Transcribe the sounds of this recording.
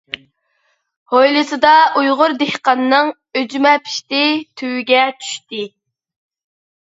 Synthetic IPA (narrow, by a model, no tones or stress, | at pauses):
hojlˠɨsɨd̪ɑʔujʁʊɾd̪ehqɑnːɨŋ | ød͡ʒmɛpʰi̥ʃt̪ɪt̪ʰywɪɡʲɛt͡ʃʰy̥ʃt̪ɪ